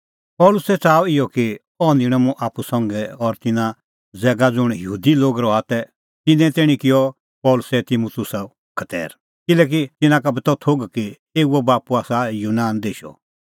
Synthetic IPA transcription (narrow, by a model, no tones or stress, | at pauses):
pɔːlʊsɛt͡saːɪjɔki | ɔ̃nd̪ɪɽ̃əmũʔaːpusɔ̃ŋɡɛɔɾt̪ɪnã | d͡zɛːɡad͡zʊɽ̃jəuːd̪iloːɡɾɔat̪ɛ | t̪ɪnɛ̃t̪eːɽ̃ĩkɪjɔ | pɔːlʊsɛt̪ɪmut̪ʊsa | kʰɐt̪ɛ̰ːɾ | kɪlɛːk̬it̪ɪnãkabɐt̪ɔt̪ʰoːɡki | eːuɛbaːpuaːsajuːnaːnd̪eːʃɔ̰